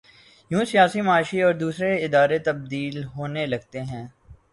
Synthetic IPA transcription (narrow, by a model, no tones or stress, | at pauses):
jũːsijaːsimɐaːʃiɔːɾd̪uːsɾeɪd̪aːɾet̪ɐb̚d̪iːlɦoːnelɐɡ̚t̪eɦɛ̃ː